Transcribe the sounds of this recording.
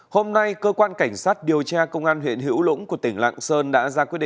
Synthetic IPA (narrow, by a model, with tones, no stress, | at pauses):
ho˧mna˧jkəː˧kwaː˧nka˧˩jŋ̟saː˦˥t̚ɗi˨˩əwt͡ɕaː˧kə˧wŋ͡mʔaː˧nhwḭ˧˨ənɦḭ˧˥əwlʊ̰˧˥ŋku˧˩ət̪ï˧˩ŋ̟la̰ː˧˨ŋsəː˧nɗa̰ː˧˥zaː˧kw̚ɗ̰